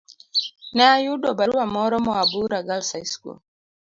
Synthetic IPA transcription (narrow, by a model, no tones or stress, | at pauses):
naajudɔbaɾuwamɔɾɔmɔabuɾaɡalsaiskṵ